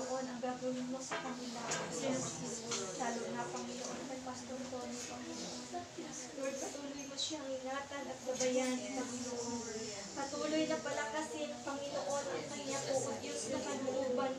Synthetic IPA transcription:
ʔo̞nɐŋɡaːɡɐmɪnmo̞sɐkɐnɪlaʔɐsɛn | laːlonɐpɐŋɪnoʔonkɐjpɐst̪oɾt̪onɐŋpɐŋɪnoʔon | d̪ɛɾɐd̪̚pɐt̪uːlojmoʃaɐŋɪŋaːt̪ɐnɐt̪̚ɡɐbɐjanpɐŋɪnoʔon | pɐt̪uːlojnɐŋpɐlɐkɐsɪpɐŋɪnoʔo̞nɐŋmɐŋɪŋɐpoʔʊt̪onɐpɐloʔuːbɐn

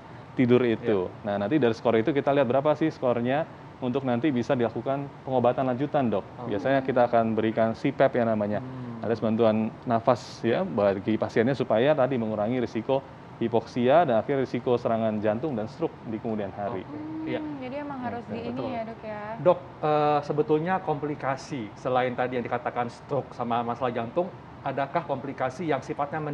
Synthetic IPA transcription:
t̪idʊɾit̪unahnant̪idaɾisə̥koɾait̪ukit̪aliɦat̪̚bəɾapasɪhsə̥koɾaɲa | unt̪ʊk̚nant̪ibisadilakukanpəŋobat̪anlaɲd͡ʒut̪andɔk̚biasaɲakit̪aːkanbəɾikansipɛpjaŋnamaɲaadasəbant̪uanːafas | jabaɡipasianɲasupajat̪adiməŋuɾaŋiɾisiko | hipɔksiadanakɪrːisikosəɾaŋand͡ʒant̪ʊŋdanst̪ɾʊk̚dikəmudianɦaɾḭjad͡ʒadiemaŋaɾʊs | dɔk̚əsəbət̪ʊlɲakomplikasisəlaɪnt̪adijaŋdikat̪akanst̪ɾʊk̚samamasalahd͡ʒant̪ʊŋ | adakahkomplikasijaŋsifat̪̚ɲamə

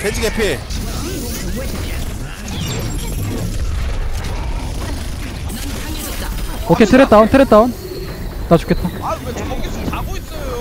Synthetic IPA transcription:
sed͡ʑiɡepʰe | okʰet̪ʰɯɾet͈̚aontʰɯɾet͈an | nat͡ɕo̥k͈et͈̚a

